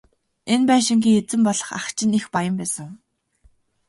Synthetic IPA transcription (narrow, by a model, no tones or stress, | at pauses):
enpæːʃɪ̆ŋɡʲiːet͡sɘ̆mpɔɮɞ̆χa̰χt͡ɕɪ̆nixpajə̆mpæːsə̆ŋ